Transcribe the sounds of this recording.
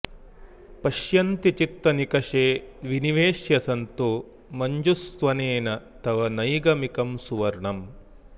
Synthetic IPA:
pɐʃjɐnt̪it͡ʃit̪ːɐnikɐʃeːʋiniʋeːʃjɐsɐnt̪u | mɐɲd͡ʒust̪ʋɐneːnɐ | t̪ɐʋɐnɐjɡɐmikɐmsuʋɐɾɳɐm

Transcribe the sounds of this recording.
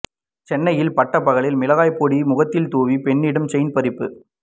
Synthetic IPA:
t͡ʃɛnːɐjɪlpɐʈːɐpːɐɣɐɭɪlmɪlɐɣaːjpːoːɽimʊɣɐt̪ːɪlt̪uːʋipɛɳːɪɽɯmt͡ʃɐɪnpɐɾɪpːɯ

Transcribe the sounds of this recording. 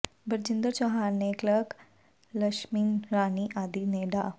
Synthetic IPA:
bəɾd͡ʑind̪əɾt͡ɕɔɦaneklək | ləʃmiːnɾaːniʔaːd̪ineɖa

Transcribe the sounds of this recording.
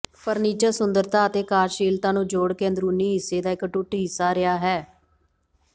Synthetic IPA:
pəɾniːt͡ʃəɾsʊnd̪əɾt̪aːət̪eːkaːɾʃiːlt̪ãːnũːd͡ʒoːɽkeːənd̪ɾuːniːɦɪsːeːd̪aːɪkʈʊʈɦɪsːaːɾɪaːɦɛː

